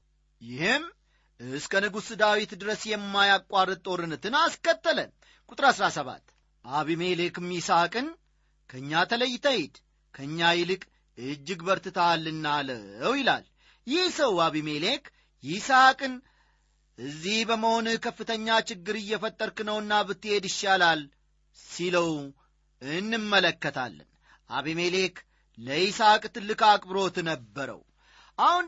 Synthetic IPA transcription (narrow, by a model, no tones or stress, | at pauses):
jɪhɨm | ɨskʰənɨɡusɨd̪awit̪d̪ɨɾəsjɛmːajakʼːarːət̪ʼo̞ɾɨnɨt̪ɨnaskət̪ːələ | kʼut̪ʼɨɾasɾasəβa̰t̪ː | ʔaβime̞le̞kɨmjɪsakʼɨn | kʰəɨɲːat̪ʰələjːɪt̪ʰəjɪd̪ | kʰəɨɲːajɪlɨkʼ | ɨd͡ʒːɪɡbəɾt̪ɨt̪ʰalːɨnːaləəwjɪla̰l | jɪhsəwaβime̞le̞k | jɪsakʼɨn | ʔɨzːihbəməho̞nɨkʰəfːɨt̪ʰəɲːat͡ʃɪɡːɨɾɨjːɛfət̪ʼːəɾkɨnəwɨnːabɨt̪ːɨhe̞d̪ɪʃːalal | siləw | ɨnːɨmːələkːət̪ʰa̰lːə̰n | ʔa̰βime̞le̞k | ləisakʼt̪ɨlːɨkakʼbɾo̞t̪nəbːəɾə̰w | ʔahun